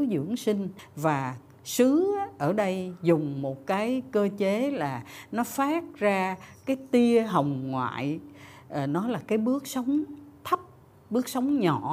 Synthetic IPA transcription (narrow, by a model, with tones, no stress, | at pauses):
zɨ̰˧˩əŋsï˧ŋ̟vaː˨˩ | sɨ˨˦ʔəː˧˩ɗə˧jzʊ˨˩ŋ͡mmo˨˩t̚kaː˨˦jkəː˧t͡ɕe˨˦laː˨˩nɔ˨˦faː˦˥t̚zaː˧kaː˨˦jt̪i˧əɦə˨˩wŋ͡mŋwa̰ː˧˨j | ʔnɔ˨˦laː˨˩kaː˨˦jɓɨ˦˥ək̚sə˨˦wŋ͡mt̪ʰə˦˥p̚ | ɓɨ˦˥ək̚sə˨˦wŋ͡mɲɔ̰˧˩˨